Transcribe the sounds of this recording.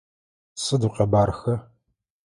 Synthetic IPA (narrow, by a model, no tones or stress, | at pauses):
sɨduqʲʼɐbaːrxɐ